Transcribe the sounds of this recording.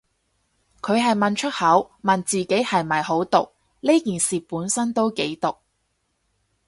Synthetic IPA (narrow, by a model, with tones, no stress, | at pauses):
kʰɵ˨˧ɥɦɐ˨jmɐ˨nt͡ʃʰɵ˥t̚hɐ˨˥wmɐ˨nt͡siː˨ke˨˥jhɐ˨jmɐ˨˩jho˨˥wt̪ʊ˨k̚ | le˥kiː˨nsiː˨puː˨˥nsɐ˥nt̪o˥wke˨˥jt̪ʊ˨k̚